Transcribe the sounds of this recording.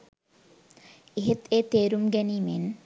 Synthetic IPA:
eɦet̪eːt̪eːɾumɡæniːmen

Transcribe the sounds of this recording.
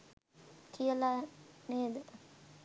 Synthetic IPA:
kʰijəlaneːd̪ə

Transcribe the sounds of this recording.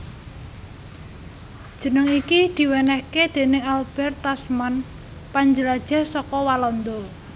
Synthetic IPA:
d̥ʒ̥ə̤nəŋikid̪̥i̤wɛnɛhked̪̥e̤nɪŋalb̥ɛrt̪asman | paɲd͡ʒəlad̥ʒ̥a̤sɔkɔwalɔnd̪ɔ

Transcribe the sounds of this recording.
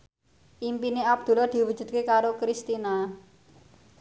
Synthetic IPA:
ʔimpineab̚d̪̥ṳlɔd̪̥i̤wu̥d͡ʒ̥ṳt̪̚kekaɾokɾist̪ina

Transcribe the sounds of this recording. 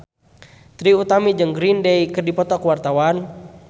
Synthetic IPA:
t̪ɾiut̪amid͡ʒəŋɡɾindɛikərdipɔt̪ɔkwart̪awan

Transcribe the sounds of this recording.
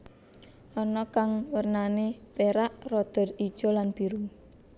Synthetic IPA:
ʔɔnɔkaŋwərnanepeɾaʔrɔd̪̥ə̤rid̥ʒ̥ɔ̤lanb̥i̤ɾu

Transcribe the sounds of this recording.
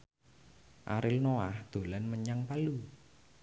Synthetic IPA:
ʔa̰ɾɪlnoahd̪̥o̤lanməɲaŋpalu

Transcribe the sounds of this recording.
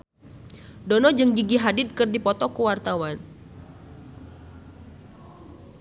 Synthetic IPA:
dɔnɔd͡ʒɨŋɡiɡiɦadɪt̪̚kɨrdipɔt̪ɔkuwart̪awan

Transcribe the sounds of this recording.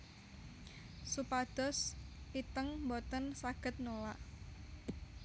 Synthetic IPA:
supad̪̥ɔ̤sit̪əŋmbɔt̪ənsaɡ̥ə̤t̪̚nolaʔ

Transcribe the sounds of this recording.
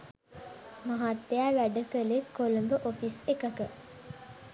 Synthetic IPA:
maɦat̪ːejaʋæɖəkəlekːolumbəʔofisekəkə

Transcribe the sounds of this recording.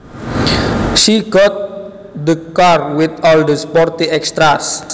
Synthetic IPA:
ʃiɡɔt̪̚ | d̪əkarwɪt̪ɔld̪əspɔrt̪iɛkst̪ɾas

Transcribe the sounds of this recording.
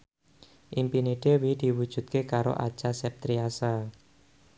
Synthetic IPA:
ʔimpiniɖ̪̥ewid̪̥i̤wud̥ʒ̥ṳt̪̚kekaɾo̰ʔa̰̥t͡ʃasɛp̚t̪ɾiasa

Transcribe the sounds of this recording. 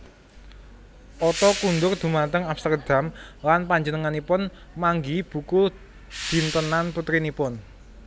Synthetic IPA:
ʔɔt̪ɔkund̪ʊrd̪̥ṳmant̪əŋapst̪ərd̪̥a̤mlanpaɲd͡ʒənəŋanipʊn | maŋɡib̥ṳku | d̪̥i̤nt̪ənanput̪ɾinipʊn

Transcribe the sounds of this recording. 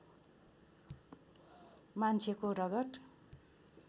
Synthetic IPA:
mant͡sʰekorʌɡʌʈ

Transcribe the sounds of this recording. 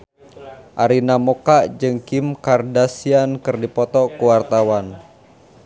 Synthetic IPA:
ʔaɾinamokaʔd͡ʒɨŋkimkardasiankɨrdipɔt̪ɔkuwart̪awan

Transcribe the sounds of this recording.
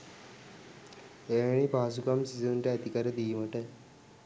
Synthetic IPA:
eːʋeɳipaːs̬ukamsizənʈəæt̪ikaɾəd̪ijuməʈə

